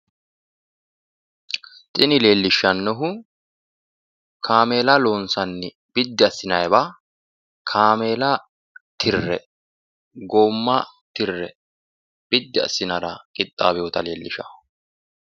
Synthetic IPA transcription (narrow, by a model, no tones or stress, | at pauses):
t̪ʼɪnɪle̞ːlːɪʃːɐnːɔɦʊ | kʰaːme̞ːlɐloːnsɐnːɪ | b̥ɪd̪ːɪɐsːɪnɐjbɐ | kʰaːme̞ːlɐ | t̪ʰɪrːɛ̰ | ɡoːmːɐ | t̪ɪrːɛ | b̥ɪd̪ːɪɐ̰sːɪnɐɾɐkʼɪt̪ʼːaːbɛjɔt̪ɐle̞ːlːɪʃɐ̰